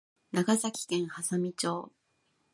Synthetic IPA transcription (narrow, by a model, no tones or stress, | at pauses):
naɡazakʲi̥kẽ̞ɰ̃hasamʲit͡ɕoː